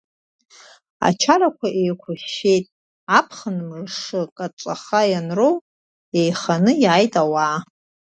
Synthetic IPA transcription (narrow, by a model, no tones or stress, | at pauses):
a̰t͡ʃʰarakʷʰaʔejkʷʰʊʃe̞jtʼ | apʰχənmrʂɨkʼat͡ʃʷʼaχajanrow | ejχanɨjajtʼawaː